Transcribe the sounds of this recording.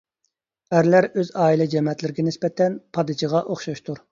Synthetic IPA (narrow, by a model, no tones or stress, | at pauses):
æɾlæɾøzɑːilˠɛd͡ʒɛmɛt̪lɪɾɪɡʲɛnɪspɛt̪ʰɛnpʰɑd̪ɨt͡ʃʰiʁɑʔoχʃɑʃt̪ʰuɾ